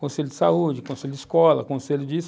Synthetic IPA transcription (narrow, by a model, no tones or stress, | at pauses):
kõselʊd͡ʒɪ̥saud͡ʒɪkõselʲʊd͡ʒɪiskɔlɐkõselʊd͡ʒɪs